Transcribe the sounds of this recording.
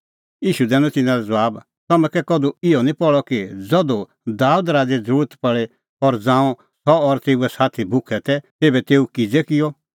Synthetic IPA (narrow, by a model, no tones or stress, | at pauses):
jiːʃud̪ɛːnɔ̃t̪ɪnãɾɛd͡zɐaːb | t̪ɐmɛ̃kɛkɔd̪uɪjɔnĩpɔɭɔkid͡zɔd̪o | d̪aːud̪ɾaːd͡zed͡zəɾuːɾət̪pɐɭɛ | ɔɾd͡zãːɔ̃ | sɔɔɾt̪eːuɛsaːt̪ʰibʱʊkʰɛt̪ɛt̪eːbɛt̪eːukɪd͡zɛkɪjɔ